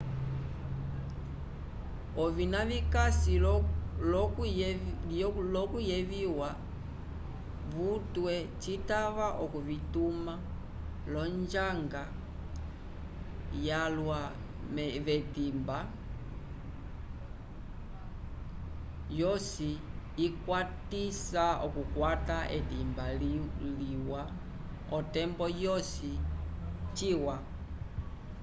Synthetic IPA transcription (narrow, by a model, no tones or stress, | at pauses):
ɔvinavikasil | lɔkujɛviwa | βutwɛt͡ʃitaβaʔɔkuvituma | lɔnd͡ʒaŋɡa | jalwa | mɛβɛdimba | jɔsiːkwatisaɔkukwataʔɛdimballiwa | ɔtɛmbɔjɔsi | t͡ʃiwa